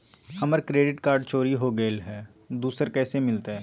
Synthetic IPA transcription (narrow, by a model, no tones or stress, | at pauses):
hɐməɾkɾeːɖɪʈkaːɾɖ̚t͡ʃoːɾiɦoɡelɦɛː | d̪uːsəɾkɛːsemɪlt̪aɦɛː